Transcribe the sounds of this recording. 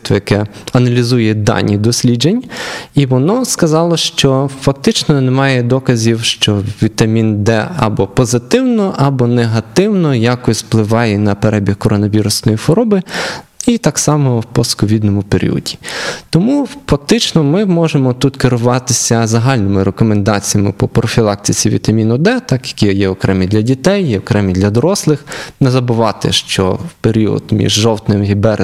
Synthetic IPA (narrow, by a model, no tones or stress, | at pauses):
t̪ʋɛjɐkɛɐnɐlʲizujɛd̪ɑ̰nʲid̪ɔsʲlʲid͡ʒenʲiʋɔnɔskɐzɑlˠɔʃt͡ʃɔfɐk̚t̪ɪt͡ʃnɔnemɑjɛd̪ɔkɐzʲiwʃt͡ʃɔʋʲit̪ɐmʲind̪ɛɐ̰bɔpɔzɪt̪ɪwnɔʔɐbɔneɦɐt̪ɪwnɔjakɔsʲplˠɪʋɑjɛnɐpeɾɛbʲihkɔɾɔnɔʋʲiɾʊsnɔjifɔɾɔbɪ | it̪ɑksɑmɔwpɔskɔʋʲid̪nɔmʊpeɾʲḭɔ̰dʲi̥t̪ɔmufɐk̚t̪ɪt͡ʃnɔmɪmɔʒemɔt̪ut̪kɪɾʊʋɑt̪ɪsʲɐzɐɦɑlʲnɪmɪɾekɔmend̪ɑt͡sʲijɐmɪpɔpɾɔfʲilˠɑk̚t̪ɪt͡sʲiʋʲḭt̪ɐmʲinɔd̪ɛt̪ɑkjɐ̥kʲijɛɔkɾɛmid̪lʲɐdʲit̪ɛjjɛɔkɾɛmid̪lʲɐd̪ɔɾɔslˠɪxnezɐbʊʋɑt̪ɪ̰ʃt͡ʃɔ̰wpeɾʲiɔ̰d̪mʲḭʒʒɔwt̪nɪmɦibɛɾ